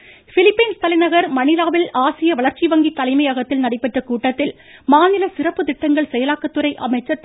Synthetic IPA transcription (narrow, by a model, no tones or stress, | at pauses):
fɪlɪpːɐɪnst̪ɐlɐɪnɐɣɐɾmɐnɪlaːʋɪlaːsɪjɐʋɐɭɐɾt͡ʃiʋɐŋɡit̪ːɐlɐɪmɐɪjaɣɐt̪ːɪlnɐɽɐɪpːɛʈrɐkuːʈːɐt̪ːɪl | maːnɪlɐsɪrɐpːɯt̪ɪʈːɐŋɡɐɭsɛjɐlaːkːɐt̪ːɯɾɐɪʔɐ̰mɐɪt͡ʃːɐ